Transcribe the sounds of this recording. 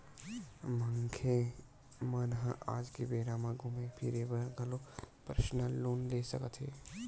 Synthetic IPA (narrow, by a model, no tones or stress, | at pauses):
mə̃ŋkʰe | mənɦãʔa̰ːd͡ʒkebeːɾãmãɡʱumepʰiɾebəɾɡʱɐlopəɾʃnəlːoːnleːsə̰kət̪ɦeː